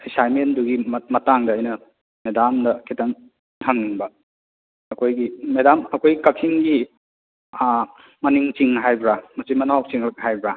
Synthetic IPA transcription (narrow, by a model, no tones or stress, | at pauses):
ejsajmenduɡimmɐtaŋdɐːjnɐ | medamdɐkʰitɐŋ | tʰaŋniŋbɐ | ɐkʰojɡimedamɐkʰojɡikɐkʰiŋɡi | mɐniŋt͡ʃiŋɦajbɾamɐsimɐnawk̚t͡ʃiŋɦɐk̚ɦajbɾa